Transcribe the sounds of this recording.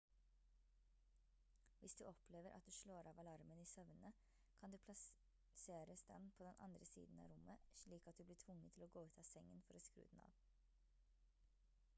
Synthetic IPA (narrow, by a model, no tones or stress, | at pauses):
ʋɪsd̪ʉːʔɔpleːʋəɾʔɑ̰t̪̚d̪ʉːʃɭoːɾʔɑːʋɑlɑɾməniːsœʋnə | kʰɑnd̪ʉːpʰlɑ | seːɾəsd̪ɛ̰npʰoːd̪ɛnʔɑ̰nd̪ɾəsḭːd̪n̩ɑ̰ːɾʊmːəʃɭiːkɑt̪̚d̪ʉːblɪːʈʰʋʊŋːət̪ʰɪloːɡoːʉːt̪ʰɑːsɛŋːənfɔɾɛskɾʉ̰ːd̪n̩ɑ̰ːʋ